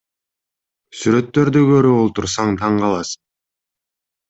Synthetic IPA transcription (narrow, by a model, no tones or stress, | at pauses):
syɾø̞t̪ːø̞ɾd̪yɡøɾøβolˠt̪uɾsɑɴt̪ʰɑɴqɑlˠɑs